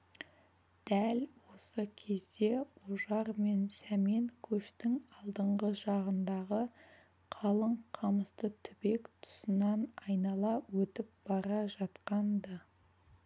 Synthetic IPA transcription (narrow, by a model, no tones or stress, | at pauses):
d̪̥ælwo̞səkʲʰe̞zd̪e̞oʒɑɾme̞nsæme̞ŋkʲʰɵʃt̪ɪŋɑlˠd̪əɴʁəʒɑʁənd̪ɑʁə | qʰɑlˠəɴqʰɑməst̪ət̪ʰʏbe̞kt̪ʰʊ̥sənɑnɑjnɑlˠɑwɵt̪ɪp̚b̥ɑɾɑʒɑt̪qɑnd̪ə